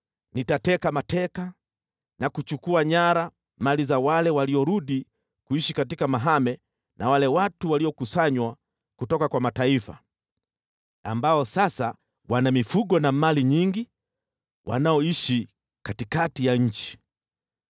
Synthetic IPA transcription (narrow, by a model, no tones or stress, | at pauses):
nitatɛkamatɛka | nakut͡ʃukuaɲaɾa | malizawalɛwaliɔɾuɗi | kuiʃikatikamaɦamɛ | nawalɛwatuwaliɔkusaɲwa | kutɔkakwamataifa̰ | ambaɔsasa | wanamifuɠɔnamaliɲiŋɡi | wʔa̰naɔiʃi | katikatijaɲ̩t͡ʃi̥